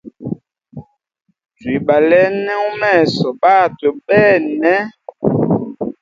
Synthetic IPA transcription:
twi˨ɓa˨lɛ˦nɛ˦u˦mɛ˦˨sɔ˨ɓaː˦˨tə˨ɓɛ˦nɛ˦

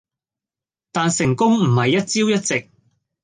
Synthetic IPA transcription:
t̪aː˨nsɪ˨˩ŋkʊ˥ŋm̩˨˩hɐ˨jːɐ˥t̚t͡siː˥wjɐ˥t̚t͡sɪ˨k̚

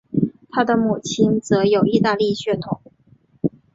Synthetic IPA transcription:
t̪ʰa˥d̪ə˨mu˨˩t͡ɕʰi˥nt͡sɤ˧˥jo˨˩ʊi˥˧t̪a˥˧li˥˧ɕɥɛ˥˩t̪ʰʊ˨˧˩ŋ

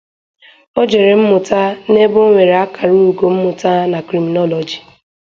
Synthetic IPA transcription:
o˦d͡ʒe˨ɾe˨m̩˦mʊ˨ta˦ne˦bʊ˦ŋʷe˨ɾe˨a˦ka˨ɾɪ˦nu˨ɡo˨m̩˦mʊ˨ta˦na˨kɾi˨mi˨nɔ˦lɔ˨d͡ʒi˨

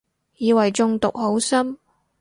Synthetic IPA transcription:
jiː˨˧wɐ˨jt͡sʊ˧ŋt̪ʊ˨k̚ho˨˥wsɐ˥m

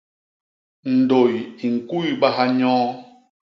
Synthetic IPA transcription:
n̩˨do˨ji˨ŋ̩˨ku˦jɓa˦ɦa˦ɲɔ̃ː˦

